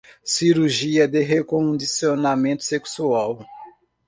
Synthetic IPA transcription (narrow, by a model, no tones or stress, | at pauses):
siɾuɾʒiɐd̪eɦekõd̪isionamẽnt̪ʊ̥seksuaw